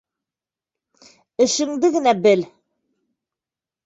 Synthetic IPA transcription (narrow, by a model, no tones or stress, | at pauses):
ɘ̆ʃɘ̆ŋd̪ɘɡɘ̆næbɘl